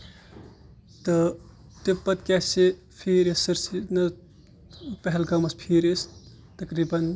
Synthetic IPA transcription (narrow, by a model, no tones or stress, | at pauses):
t̪ɐ | t̪epːɐt̪kase | pʰiːɾessɐɾsinɐ | pɐɦɛlɡɐmɐspʰiɾes | t̪ɐkɾibɐn